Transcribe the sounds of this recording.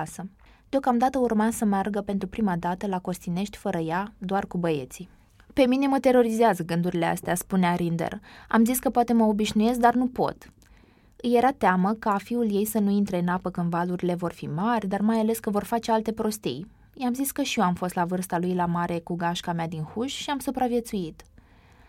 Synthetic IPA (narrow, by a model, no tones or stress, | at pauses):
sə | d̪eo̞kamd̪at̪əurmasəmearɡəpe̞nt̪ɾupɾimad̪at̪əlako̞st̪ine̞ʃt̪ʲfəɾəjad̪oarkubəje̞̰t̪si | pe̞mine̞mət̪e̞ɾo̞ɾizeazəɡɨnd̪uɾile̞a̰st̪easpuneaɾind̪ḛra̰mziskəpoat̪eməo̞biʃnuje̞sk̚d̪arnupo̞̰t̪ | ɨje̞ɾat̪eaməkafiulje̞jsənuint̪ɾe̞ɨnapəkɨnd̪valuɾile̞vo̞rfḭmarʲd̪armajale̞skəvo̞rfat͡ʃe̞alt̪e̞pɾo̞st̪ḭj | jamziskəʃioamfo̞st̪lavɨrst̪alujlamaɾʔe̞kuɡaʃkamead̪inxuʃʃiamsupɾavje̞t̪suit̪